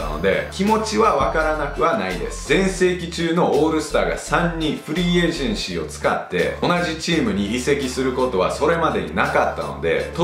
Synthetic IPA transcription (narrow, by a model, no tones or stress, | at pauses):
no̞̰d̪e̞̰kʲimo̞t͡ɕiβaβakaɾanakɯ̟βanaid̪e̞̰sɨ̥zẽ̞ɰ̃se̞ːkʲit͡ɕɨːno̞oːɾɯ̟sɨ̥t̪aːɡa̰sãɲ̟ːiɸɯ̟ɾʲieːʑẽɰ̃ɕio̞t͡sɨ̥ka̰t̪ːe̞̰o̞naʑit͡ɕiːmɯ̟ɲ̟iːse̞kʲisɨɾɯ̟ko̞t̪o̞β̞aso̞ɾe̞mad̪e̞ɲ̟ḭnakat̪ːa̰no̞̰d̪e̞̰t̪